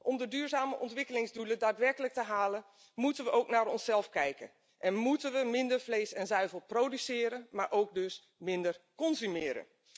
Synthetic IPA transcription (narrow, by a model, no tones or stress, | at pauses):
ʔɔmdədyːɹzaːməʔɔntʋɪkəlɪŋzdulədaːtʋɛrkələk̚təɦaːlən | mutənʋəʔowknaːɾɔnsɛlˠfkɛjkə̰n | ʔɛnmutənʋəmɪndəɹfleːsɛnzœɥvəlˠproːdysɪːɾənmaːɹʔowk̚dɵs | mɪndərkɔnzymɪːɾə̰n